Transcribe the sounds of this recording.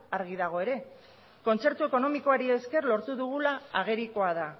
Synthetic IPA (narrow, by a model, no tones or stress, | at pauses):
aɾɣ̞iðaɣ̞o̞e̞ɾe̞ | ko̞nt͡se̞ɾt̪ue̞ko̞no̞miko̞aɾie̞ske̞rlo̞ɾt̪uðuɣ̞ulaaɣ̞e̞ɾiko̞að̞a